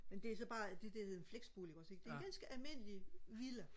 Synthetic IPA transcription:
mend̥e̝æsɒ̽b̥ɑ̈ːd̥e̝d̥e̝he̝ðˠenfleɡ̥sb̥oːliɡ̥ɒ̥̽seɡ̥̚d̥e̝ɡænsɡ̥əʔælme̝n̰əliʋilə

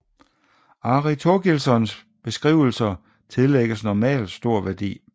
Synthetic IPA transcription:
ɑ̈ʁit͡sʰoɡ̥ilsɒ̽ns | b̥e̝sɡ̥ʁḭːʊl̩sɐ | t͡sʰe̝lːeɡ̥əsnɒmɛ̰ːld̥sd̥o̝ɐ̰ʋæɐd̥ḭː

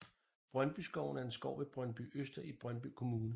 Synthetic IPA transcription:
b̥ʁɶnb̥ysɡ̥ɒʊn̩æɐe̝nsɡ̥ɒʊ̰ʋe̝b̥ʁɶnb̥y̰øsd̥ɐib̥ʁɶnb̥ykʰo̝muːnə

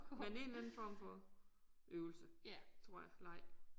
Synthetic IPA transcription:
mene̝ːnlænn̩fɒ̰ːmfɒ̽ | ʔøʊl̩sət͡sʰʁo̝ɐ̰jɑlɑ̈ɪ̰̥

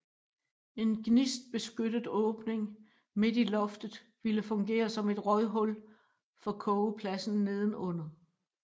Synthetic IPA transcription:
e̝nɡ̥nisd̥̚b̥e̝sɡ̥ød̥əð̩ˠɔ̽ːb̥ne̝ŋ | me̝d̥ilɒ̽fd̥ð̩ˠ | ʋiləfɔ̽ŋɡ̥e̝̰ːɐsɒ̽me̝d̥ʁɒɪɦɔ̽l | fɒ̽kʰɔʊpʰlæsn̩ne̝ð̞ˠn̩ɔ̽n̰ɐð̩ˠ

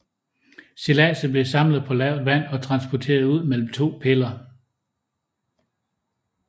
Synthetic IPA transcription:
selɛ̰səb̥le̝sɑ̈mləð̩ˠpʰɒ̽lɛʊ̰ðˠʋæn̰ɒ̽t͡sʰʁɑ̈nsb̥ɒt͡sʰe̝̰ːɐðˠuð̞̰ˠmel̰m̩t͡sʰo̝̰ːpʰelɐ

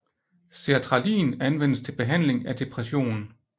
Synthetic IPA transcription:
se̝æt͡sʰʁɑ̈lḭːnænʋen̰əst͡sʰe̝lb̥e̝ɦæn̰le̝ŋæd̥e̝pʰʁɛɕo̝̰ːnn̩

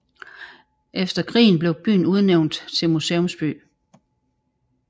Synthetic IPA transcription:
ʔefd̥ɐkʰʁḭːn̩b̥le̝ʊb̥y̰ːn̩uð̞ˠneʊnd̥t͡sʰe̝lmuseːɔmsb̥y̰ː

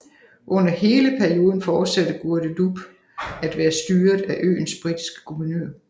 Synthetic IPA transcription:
ʔɔ̽n̰ɐhe̝ːləpʰæɐio̝ːð̞ˠn̩fɒːd̥sæd̥əɡ̥uɐd̥ədub̥ | æd̥ʋæːɐsd̥yːɐðˠæʔø̰ːn̩sb̥ʁid̥i̥sɡ̥ə̥kʰuʋɐnø̰ːɐ̰

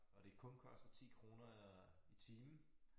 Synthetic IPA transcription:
ɒ̽ɾ̥e̝kʰɔ̽nkʰɒ̽sd̥ð̩t͡sʰḭːkʰʁo̝ːnɐit͡sʰiːmn̩

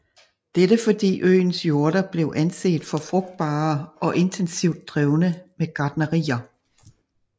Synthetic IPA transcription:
d̥eɾ̥əfɒ̽d̥ḭːʔø̰ːɪnsjo̝ɐɾɐb̥le̝ʊʔænse̝̰ːd̥fɒ̽fʁɔ̽ɡ̥̚d̥̚b̥ɑ̰̈ːɒ̽ʔe̝ndʰensiʊd̥̚ːʁɛʊnəmeɡ̥ɑ̈ːd̥nəʁḭːɐ

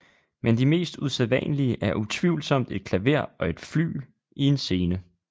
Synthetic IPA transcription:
mend̥ime̝̰ːsd̥useðˠʋɛ̰nliəʔæɐʔut͡sʰʋiʊl̩sɒ̽m̰d̥e̝d̥̚kʰlæʋe̝ɐ̰ɒ̽e̝d̥fly̰ː | ie̝nse̝ːnə

